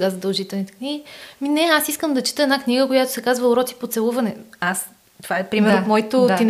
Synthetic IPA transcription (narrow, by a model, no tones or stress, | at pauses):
ɡazəd̪əlˠʒit̪ɛlˠnit̪ɛ̥kniɡiminɛasiskəmd̪ɐt͡ʃi̥t̪əɛdnakniɡəkojat̪osɛkazvəʊɾɔt̪i̥pot̪sɛlˠuvɐnɛas | t̪ovaɛpɾimɛɾmɔjit̪ot̪in